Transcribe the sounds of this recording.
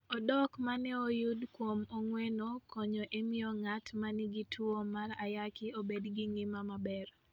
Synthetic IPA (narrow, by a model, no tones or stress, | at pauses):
ɔdɔkmanɛojudkwomoŋwenokʰɔɲɔʔemiɔŋatmaniɡitʰwomaɾajakɪobedɡiŋɪmamabɛɾ